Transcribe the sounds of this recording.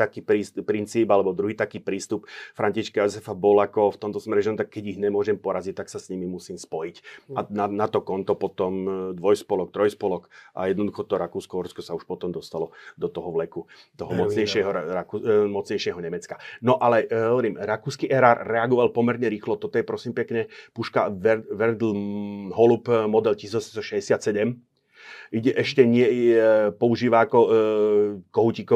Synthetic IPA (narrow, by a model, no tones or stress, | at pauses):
t̪akiːpɾiːspɾint͡siːbalɛbɔd̪ɾuɦiːt̪akiːpɾiːst̪upfɾaɲciʃkajɔzɛfabɔlakɔft̪ɔmt̪ɔsmɛɾɛʒɔmt̪akːɛɟiɣɲɛmʊɔʒɛmpɔɾazic̚t̪aksasɲimimusiːmspɔjicananat̪ɔkɔnt̪ɔpɔt̪ɔmd̪ʋɔjspɔlɔk̚t̪ɾɔjspɔlɔkʔa̰jɛd̪nɔd̪uxɔt̪ɔɾakuːskɔʋɔɾskɔsauʃpɔt̪ɔmd̪ɔst̪alɔd̪ɔt̪ɔɦɔʋlɛkut̪ɔɦɔmɔt͡sɲɛjʃɪɛɦɔɾakumɔt͡sɲɛjʃɛɦɔɲɛmɛt͡skanɔʔalɛɦɦɔʋɔɾiːmɾakuːskiʔɛɾaːɾːɛaɡɔʋalpɔmɛɾɲɛɾiːxlɔt̪ɔt̪ɔjɛpɾɔsiːmpɛkɲɛpuʃka̰ʋɛʋɛɾd̪l̩ɦɔlupmɔd̪ɛlcisiːzjɔsɛmst̪ɔʃɛɟɛsɪat̪sɛɟɛm | iɟɛʔɛʃcɛɲɪɛpɔuʒiːʋaːkɔ | kɔɦucikɔ